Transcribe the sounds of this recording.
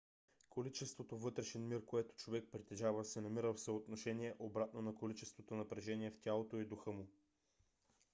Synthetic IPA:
kolit͡ʃɛst̪vot̪ovɤt̪ɾɛʃɛnmiɾkoɛt̪o̥t͡ʃovɛk̚pɾit̪ɛʒavəsɛnɐmiɾəfsəot̪noʃɛniɛʔobɾat̪nonɐkolit͡ʃɛst̪vot̪onɐpɾɛʒɛniɛft̪ʲalˠot̪oid̪ʊxɤmʊ

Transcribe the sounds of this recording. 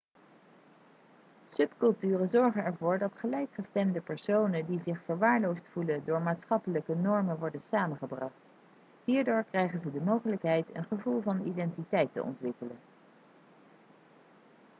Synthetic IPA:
sɵpkɵlˠtyːrənzɔɹχənɛɹvʊːɹdɑtχəlɛjkχəstɛmdəpɛɹsownəndizɪχfəɹʋaːɹlowstfulədʊːɹmaːtsχɑpələkənɔɹmənʋɔɹdənsaːmənχəbrɑχt | ɦiːɹdʊːɹkrɛjχənzədəmowχələkɦɛjtə̰nχəvulˠvɑnidɛntitɛjtə̰ʔɔ̰ntʋɪkələn

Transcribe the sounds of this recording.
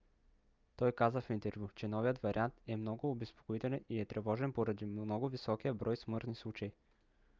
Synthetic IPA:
t̪ɔjkazɐfint̪ɛɾvjut͡ʃɛnɔvijət̪vaɾiant̪ɛmnɔɡʊːbɛspo̥koit̪ɛlʲɛniɛt̪ɾʔɛvɔʒɛnpoɾɐd̪imnɔɡʊvisɔkijəbɾɔjsmɤɾt̪nislˠut͡ʃɐji

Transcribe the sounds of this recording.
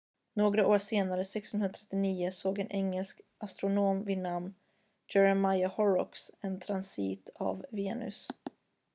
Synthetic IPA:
noːɡɾaʔoːʂeːnaɾəsɛksənɵnat̪ʰɛt̪ːɪniːʊsoːɡɛnʔɛŋːɛlskʔast̪ɾʊnoːmvɪnam | d͡ʒɛɾamajahɔɾɔ̰ksɛnt̪ʰɾansiːt̪ʰa̰vveːnɵ̰s

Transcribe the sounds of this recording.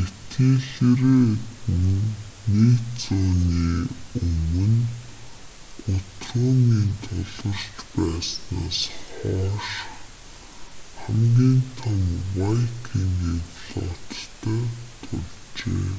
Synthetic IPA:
et̪iɮeɾeːtɘnnːekt͡sɔːniːɵmɵ̆n | ʊt̪rʊːŋiːnt̪ʰɔɮɞ̆r̥t͡ɕpæːsnaːsχɔːʃ | χæmɡʲiːnt̪ʰamwajkʰiŋɡiɮɔt̪t̪ʰæːt̪ʰʊɮt͡ɕḛː

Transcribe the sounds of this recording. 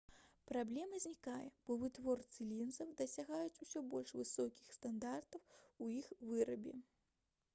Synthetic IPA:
pɾablʲɛmɐzʲnʲikajɛb̥ɔvɨt̪vɔrt̪sɨlʲinzɐwd̪ɐsʲaɣajut͡sʲusʲɔbɔlʲʂvɨsɔkʲi̥xst̪and̪art̪ɐwujixvɨɾɐbʲɛ̰

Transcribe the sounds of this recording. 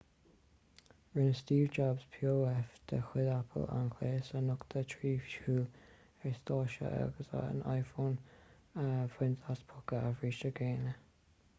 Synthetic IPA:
ɹɪnəstiːvd͡ʒabspʰjoːɛfd̪̥əxwɪðapʰə̰la̰nkʰleːsənʊkt̪ʰətʰɹiːfʃuː | ɛɹst̪ɑːʃə̰ʔa̰ɡəsa̰ə̰nʔa̰jfoːn | əvwɪntaspʰʊkəavɹiːʃəɡeːnə

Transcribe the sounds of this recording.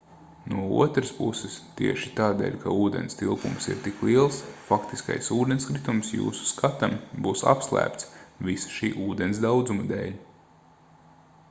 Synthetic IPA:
nuɔṵɔt̪ɾəspusɨst̪iɛʃit̪aːd̪ɛ̰ːlʲkauːd̪ḛnst̪ilˠkumsḭɾt̪iklˠiɛlˠsfakt̪iska̰jsuːd̪enskɾit̪umsjṵːsu̥skʰat̪ambuːsa̰pslˠæ̰ːpt̪svisḁʃiːʔuːd̪ensd̪awd̪zumad̪ɛ̰ːlʲ

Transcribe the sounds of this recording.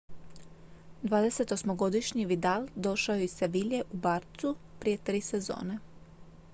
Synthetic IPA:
d̪ʋaːd̪e̞se̞t̪o̞smoɡo̞d̪iʃɲiʋid̪ald̪o̞ʃaeiseʋiʎe̞ʔubaːɾt̪supɾije̞t̪ɾiːsezo̰ːne

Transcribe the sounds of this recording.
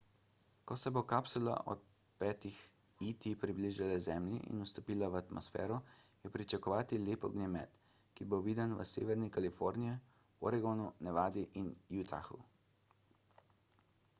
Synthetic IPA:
kɔsɛbokapsula̰ʔɔ̰t̪̚ | pɛːt̪ix | it̪ipɾibliːʒalɛzɛːmlḭʔḭnust̪ɔpiːlaʋat̪mʔɔsfɛ̰ːɾɔjɛpɾit͡ʃakɔʋaːt̪ileːpɔ̰ɡnɛmɛt̪ | kiboʋiːd̪anʋə̰sḛːʋɛɾnikalifoɾniji | ɔ̰ɾɛɡɔnunɛʋaːd̪iʔinjut̪a̰xṵ

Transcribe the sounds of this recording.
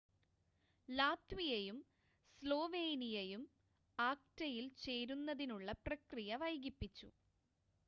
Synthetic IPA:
laːt̪ʋijejum | slo̞ːʋe̞ːnijejum | aːk̚tɐjilt͡ɕe̞ːɾunːɐðinuɭːɐprɐkrijɐʋɐjɡipːit͡ɕːṵ

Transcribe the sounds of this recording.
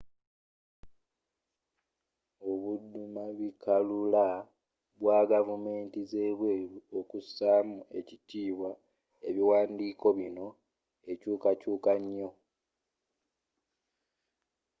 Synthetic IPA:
oβudumaβikʰalula | βwaɡavume̞ːntize̞ːβweːɾuo̞kusaːmue̞citiːβwa | e̞βiwaːndiːko̞βino̞ | e̞cuːkacuːkaɲːo̞

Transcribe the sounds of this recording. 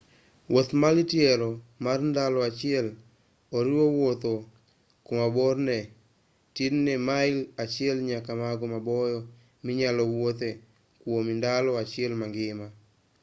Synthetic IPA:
wʔot̪malitjɛɾɔmarndalɔat͡ʃɪɛl | oɾiwowot̪o | komabɔrnɛ | tidnɛmaɪlat͡ʃɪɛlɲakamaɡɔmabɔjɔ | miɲalɔwot̪ɛ | kwomindalɔat͡ʃɪɛlmaŋɡɪma

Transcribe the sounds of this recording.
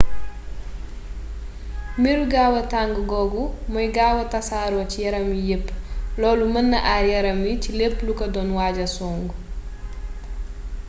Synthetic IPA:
miɾuɡaːwɐtaŋɡɡɔɡumɔjɡaːwɐtɐsaɾwɔcijɐɾɐmijepːlɔːlumɐnːɐʔaɾjɐɾɐmjicilepːlukɐdɔnwaːɟɐsɔːŋɡu

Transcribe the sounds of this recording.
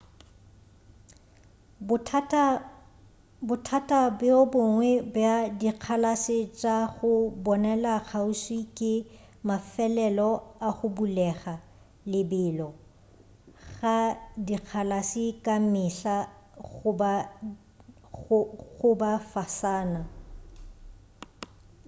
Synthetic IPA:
bʊtʰatʼabɪobʊŋwɛbjadiq͡χʰalasɪt͡ʃʼaɣʊbɔnɛlaɣʰaʊswikʼɪ | mafɛlɛlɔaχʊbulɛχa | lɪbɪːlɔ | ɣadiq͡χʰalasɪkʼamɪɬa | ʊba | ɣʊbafasaːna

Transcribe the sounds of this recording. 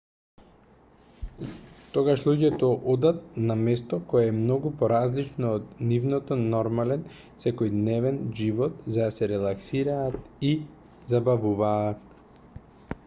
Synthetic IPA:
t̪ɔɡaʃlˠuɟɛt̪ɔʔɔd̪at̪̚namɛst̪ɔkɔjaɛmnɔɡupɔɾazlit͡ʃnɔːt̪nivnɔt̪ɔnɔɾmalɛn | sɛkɔjd̪nɛvɛnʒivɔt̪zad̪asɛɾɛlˠaksiɾaːt̪i | zabavuvaːt̪̚

